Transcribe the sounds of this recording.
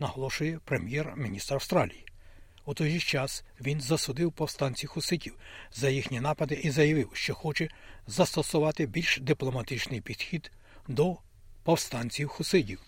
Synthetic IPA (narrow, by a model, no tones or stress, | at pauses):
nɐɦɔlˠɔʃʊjɛpɾemʲjɛrmʲinʲist̪ɾɐwst̪ɾɑlʲiji | ut̪ɔjʒit͡ʃɑsʋʲinzɐsʊd̪ɪwpɔwst̪ɑnʲt͡sʲiwxʊsɪtʲiw | zɐjixnʲinɑpɐd̪ɪʔizɐjɐʋɪwʃt͡ʃɔxɔt͡ʃɛzɐst̪ɔsʊʋɑt̪ɪbʲilʲʃd̪ɪplˠɔmɐt̪ɪt͡ʃnɪjpʲid̪̥xʲid̪ | d̪ɔ | pɔwst̪ɑnʲt͡sʲiwxʊsɪtʲiw